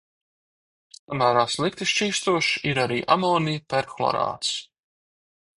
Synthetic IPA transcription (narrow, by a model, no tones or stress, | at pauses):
amæːɾaːslˠik̚t̪iʃt͡ʃiːst̪uɔʃiɾaɾiːʔamɔːnijpɛɾxlˠɔ̰ɾa̰ːt̪s